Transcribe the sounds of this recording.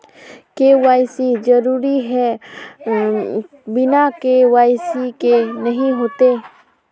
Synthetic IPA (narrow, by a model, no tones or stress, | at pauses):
keʋaːjsid͡ʒɐɾuːɾiɦɛ | bɪnakewaːjsikenɐɦĩɦoːt̪eː